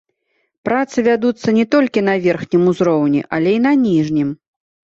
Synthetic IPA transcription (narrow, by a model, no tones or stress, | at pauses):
pɾat̪sɨvʲad̪ut̪sːɐnʲɛt̪ɔlʲkʲinɐvʲɛrxnʲimuzɾɔwnʲḭʔalʲɛinɐnʲiʐnʲim